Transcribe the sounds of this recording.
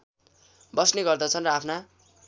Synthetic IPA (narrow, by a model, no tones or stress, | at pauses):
bʌsneɡʌrd̪ʌt͡sʰʌnrʌapʰna